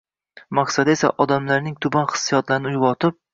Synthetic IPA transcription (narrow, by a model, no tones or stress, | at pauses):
maqsad̪e̞sa̰ʔɒd̪amlaɾnɪŋt̪ʰʊbanχɨ̥sːijɒt̪laɾɪnɪʊjbɒt̪ʰɪp̚